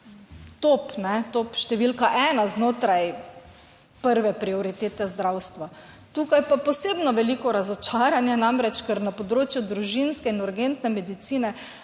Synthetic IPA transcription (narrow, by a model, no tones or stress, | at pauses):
t̪opnɛt̪opʃt̪ɛʋilkaʔɛːnaznoːt̪ɾaj | pəɾʋɛpɾiɔɾit̪eːt̪ɛzd̪ɾawst̪ʋa | t̪uːkajpapɔseːbnɔʋɛliːkɔɾazɔt͡ʃaːɾanjɛnamɾɛt͡ʃkəɾnapɔd̪ɾoːt͡ʃjud̪ɾuʒinskɛinuɾɡent̪nɛmɛd̪it̪siːnɛ